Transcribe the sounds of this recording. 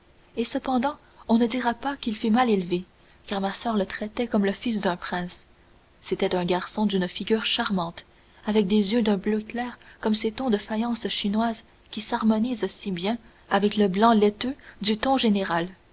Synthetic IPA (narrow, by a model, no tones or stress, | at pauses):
esəpɑ̃d̪ɑ̃ | ɔ̃nəd̪iʁapakʲilfymalelve | kaʁmasœːʁlət̪χɛt̪ɛkɔmləfis̬d̪œ̃pχɛ̃ːsː | et̪ɛt̪œ̃ɡaʁsɔ̃d̪ynfiɡʲyːʁʃaʁmɑ̃t̪ | avɛk̚d̪ezjød̪œ̃bløklɛːʁkɔmset̪ɔ̃d̪əfajɑ̃sʃinwaːz | kʲisaʁmɔniːzsibjɛ̃ | avɛkləblɑ̃lɛt̪ød̪yt̪ɔ̃ʒeneʁal